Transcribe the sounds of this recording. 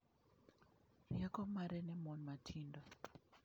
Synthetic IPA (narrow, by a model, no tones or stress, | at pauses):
jakɔmaɾɛnɛmɔnmatʰindɔ